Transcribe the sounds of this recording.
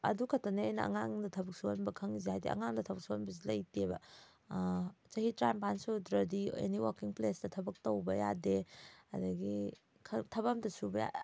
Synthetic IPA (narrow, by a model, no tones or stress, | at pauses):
ɐ̰dukʰɐtɐneɐjnɐɐ̰ŋaŋdɐtʰɐbɐk̚suonbɐkʰɐŋizehajdḛʔɐ̰ŋaŋdɐtʰɐbɐk̚suonbɐs̬ilɐjtebɐ̰ | t͡ʃɐhitɾajmpansudɾɐdiḛniwakiŋplesdɐtʰɐbɐk̚towbɐja̰deɐ̰dɐɡi | kʰɐtʰɐβamdɐsubɐja̰